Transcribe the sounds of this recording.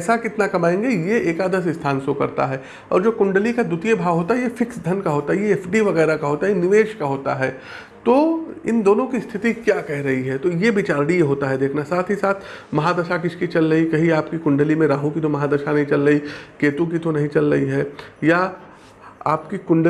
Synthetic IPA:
sakɪt̪nakɐmaːẽːŋɡejeeːkaːd̪əs̬ɪst̪ʰaːnsokɐ̰ɾt̪a̰ɦɛː | ɔ̰ːɾd͡ʒoːkʊ̃ɳɖəlikad̪ʊt̪ijebʱaːʋɦoːt̪aɦɛjefɪksd̪ʱɐnkaɦoːt̪aɦɛjeeːfɖiʋɐɣɛːɾakaɦoːt̪aɦɛjnɪʋeːʃkaɦoːt̪a̰ɦɛː | t̪oːɪ̰nd̪oːnõkist̪ʰɪt̪ikjaːkɛɦɾɐɦiɦɛt̪ojebɪt͡ʃaːɾɽijeɦoːt̪aɦɛd̪eːkʰnasaːt̪ʰɦisaːt̪ʰ | mɐɦad̪ɐʃakɪt͡ʃʰkit͡ʃɐlɾɐɦikɐɦiaːpkikʊ̃ɳɖəlimẽɾaːɦũkit̪omɐɦaːd̪ɐʃanɐɦĩt͡ʃɐlɾɐɦikeːt̪õkit̪onɐɦĩt͡ʃɐlɾɐɦiɦɛːja | a̰ːpkikʊ̃ɳɖ

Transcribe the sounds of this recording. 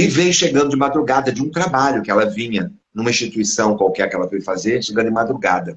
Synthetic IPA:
ɪvẽj̃ʃeɡɐ̃nd̪ʊd͡ʒɪmad̪ɾuɡad̪ɐd͡ʒɪũt̪ɾabaʎʊkɪɛlɐvĩɲɐ | nũmɐĩst͡ʃit̪uisɐ̃w̃kwawkɛɾkɪɛlɐfojfazeɾʃeɡɐ̃d̪ʊɪ̃mad̪ɾuɡa̰d̪ɐ

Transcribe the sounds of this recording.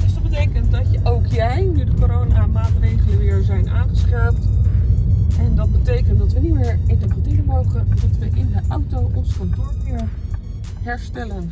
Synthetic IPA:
d̥əsdɑd̚bətejkənt̚dɑtəʔowkjɛjnydəkoɾownamaːtrejχələʋɪːɹzɛjnʔaːnχəsχaːp̚t | ɛndɑd̚bətejkənt̚dɑtʋənimɪːɹenəvatiləmowχəndɔtʋəʔɪnɦəʔɑwtowʔɔnskɔntoːɹɪɹ | ɦɛɹstɛlən

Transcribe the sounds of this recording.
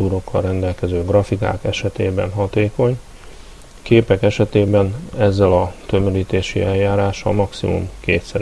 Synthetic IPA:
uːɾo̞kʰːɒ̰rːɛnd̪ɛlkɛzøːɡrɒfika̰ːkɛʃɛt̪ḛːbɛ̰nɦɒt̪eːko̞ɲ | keːpɛkɛʃɛt̪eːbɛnɛzːɛlɒt̪ø̞møliːt̪eːʃḭɛljaːɾaːʃɒ̰mɒksḭmṵmkeːt̪sɛɾ

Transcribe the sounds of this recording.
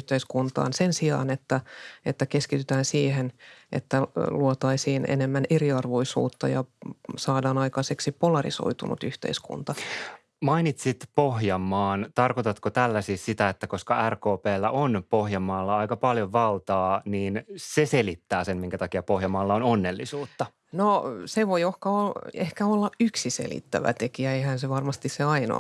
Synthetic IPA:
ht̪eiskunt̪ɑ̰ːnsensiɑ̰ːnet̪ːæet̪ːækeskit̪yt̪æːnsiːhenʔḛt̪ːæluot̪ɑisiːnḛnemːæneriɑrʋo̞isṵːt̪ːɑjɑsɑːdɑːnɑikɑseksipolɑrḭso̰it̪ṵnṵt̪yht̪ḛiskṵnt̪ɑ | mɑinit̪sit̪pohjɑmːɑːnt̪ɑrkot̪ɑt̪kot̪ælːæsiːssit̪æet̪ːæko̞skɑærkoːpeːlːæʔonpohjɑmːɑːlːɑɑikɑpɑljoʋʋɑlt̪ɑːniːnseselit̪ːæːsemmiŋkæt̪ɑkiɑpohjɑmɑːlːɑononːelːisuːt̪ːɑ | noseʋojohkɑolehkæolːɑʔyksisḛlḭt̪ːæ̰ʋæ̰t̪ekiæeihænseʋɑrmɑst̪isseɑino̰

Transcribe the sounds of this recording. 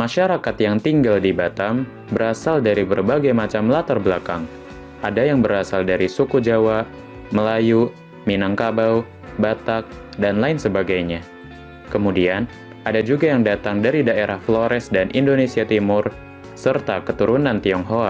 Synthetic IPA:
maʃaɾakat̪jaŋt̪iŋɡaldibat̪am | bəɾasaldaɾibərbaɡajmat͡ʃamlat̪arbəlakaŋ | ʔadajaŋbəɾasaldaɾisukud͡ʒawa | məlaju | minaŋkabaw | bat̪ak̚ | danlaɪnsəbaɡajɲa | kəmudian | ʔadad͡ʒuɡajaŋdat̪aŋdaɾidaeɾahfloɾɛsdanʔḭndonesiat̪imʊr | sərt̪akət̪uɾunant̪iɔŋɦoa

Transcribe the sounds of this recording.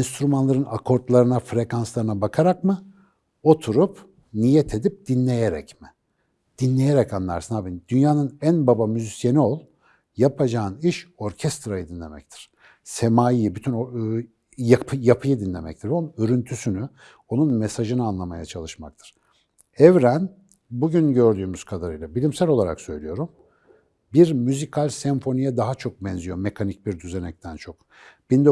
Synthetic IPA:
inst̪ɾumanlˠaɾɯnakʰo̞ɾt̪lˠaɾɯnafɾe̞kʰanslˠaɾɯnabakʰaɾakmɯ | o̞t̪ʰuɾup | nijɛt̪ʰe̞d̪ip̚d̪̥inlʲe̞jeɾɛ̰cmɪ | d̪̥inlʲe̞jeɾɛcanlˠa̰ɾsɯnabind̪̥ynjaːnɯnænbabamyzisjenio̞lˠ | japʰad͡ʒaːɯniʃo̞ɾcʰɛst̪ɾajɯd̪inlʲemɛ̰ct̪ʰi̥ɾ̥ | semaːjijibyt̪ʰyn | japʰjapʰɯjɯd̪inlʲe̞mɛ̰c̚t̪ʰiɾonøɾynt̪ʰysyny | o̞nunmesaʒɯnɯanlˠamajat͡ʃʰalˠɯʃmak̚t̪ʰɯ̥ɾ̥ | ɛvɾæn | buɟynɟø̞ɾd̪yːmyz̥kʰad̪aɾɯjlˠabilʲimsælʲolˠaɾa̰ksø̞jlʲijo̞ɾum | biɾmyzikʰalʲsɛɱfo̞nijɛd̪aɦat͡ʃʰo̞k̚bɛnzyjo̞mekʰanic̚biɾd̪yze̞nɛc̚t̪ʰænt͡ʃʰo̞k̚ | b̥ind̪

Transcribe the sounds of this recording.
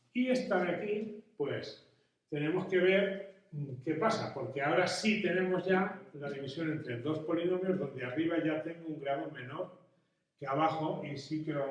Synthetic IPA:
ie̞st̪aðakipwe̞s | t̪e̞nẽ̞mo̞ske̞β̞e̞ɾ | ke̞pasapo̞ɾkeao̞ɾasit̪e̞nẽ̞mo̞zʝalaðiβisjo̞ne̞nt̪ɾe̞d̪o̞spo̞liɣomjo̞zðo̞nd̪eariβ̞aʝat̪e̞ŋɡouŋɡɾaðo̞mẽ̞no̞ɾ | keaβ̞axo̞isikeɾo

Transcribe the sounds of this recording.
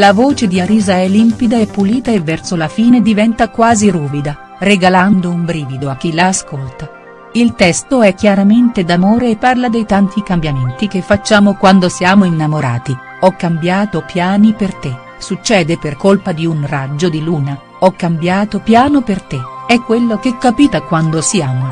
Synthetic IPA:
lavoːt͡ʃed̪iaɾiːzaɛlimpid̪aɛpːuliːt̪aevːɛrsolafiːned̪ivɛnt̪akwaːziɾuːvid̪a | reɡaland̪oumbɾiːvid̪oak̟ːilaːskolt̪a | ilt̪ɛst̪oɛk̟ːjaɾament̪ed̪amoːɾeːpːarlad̪ejt̪ant̪ikambjament̪ik̟efːat͡ʃːaːmokwand̪osjaːmoinːamoɾa̰ːt̪i | ɔkːambjaːt̪opjaːnipert̪e | sut͡ʃːɛːd̪eperkolpad̪iunrad͡ʒːod̪iluːna | ɔkːambjaːt̪opjaːnopert̪eɛkːwelːok̟ekːapiːt̪akwand̪osiaːmo

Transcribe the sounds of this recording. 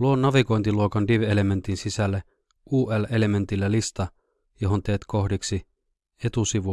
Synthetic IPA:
luonːɑʋiko̞jnt̪iluokɑndiʋele̞me̞nt̪insisælːe | uːʔele̞le̞me̞nt̪ilːælist̪ɑ | joɦont̪e̞ːt̪kʰo̞hdiksi | e̞t̪usiʋu

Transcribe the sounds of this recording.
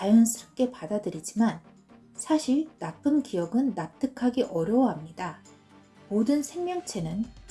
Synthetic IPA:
t͡ɕajʌnsʰɯɾʌk͈e̞padadɯɾid͡ʑiman | sʰaɕʰiɭnap͈ʰɯmkijʌɡɯnːap̚t͈ʰɯkʰaɡiʔʌɾjʌwɦamɲida | modɯnsʰe̞ŋmjʌŋt͡ɕʰe̞nɯn

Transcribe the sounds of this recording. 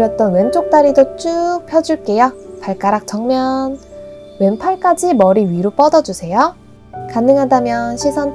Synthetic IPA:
ɾjʌt̚t͈ʌnwe̞nt͡ɕ͈ok̚t͈aɾidot͡ɕ͈uk̚pʰjʌd͡ʑuɭk͈e̞japaɭk͈aɾak̚t͡ɕʌŋmjʌn | wenpʰaɭk͈ad͡ʑimʌɾiɥiɾop͈ʌdʌd͡ʑusʰe̞jo | kanːɯŋɦadamjʌnɕʰisʰʌn

